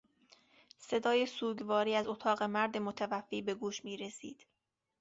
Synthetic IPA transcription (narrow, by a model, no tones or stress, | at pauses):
se̞d̪ɒːjesuːɟvɒːɾiːæzot̪ʰɒːɣe̞mæɾd̪emot̪ʰævæfːiːbe̞ɡuːʃmiːɾe̞sḭːd̪̥